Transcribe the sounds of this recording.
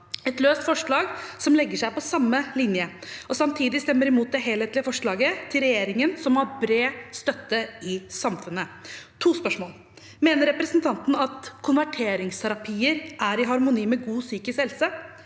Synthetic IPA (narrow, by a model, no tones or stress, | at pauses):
ɛt̪løːst̪fɔʂɭɑːɡsɔmlɛɡːəʂæɪpɔsɑmːəlɪnjəɔsɑmt̪ʰiːd̪ɪst̪ɛmːəɾɪmuːt̪̚d̪ɛɦeːlheːt̪lɪəfɔʂɭɑːɡət̪ʰɪlɾɛjeːɾɪŋənsɔmɑɾbɾeːst̪œt̪ːəɪsɑmfʉnət̪ʰuːspœʂmoːl | meːnəɾɛpɾɛsnt̪ʰɑnt̪n̩ɑt̪kʰʊnʋæʈʰeːɾɪŋst̪ʰæɾɑpʰiːəɾʔæɾɪɦɑɾmʊniːmɛɡuːsyːkəshɛlsə